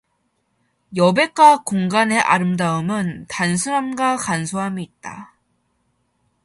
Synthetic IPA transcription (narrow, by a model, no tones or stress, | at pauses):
jʌbe̞k͈akoŋɡane̞ʔa̰ɾɯmdaɯmɯntansʰɯɾamɡakansʰoɦamiːt̚t͈a̰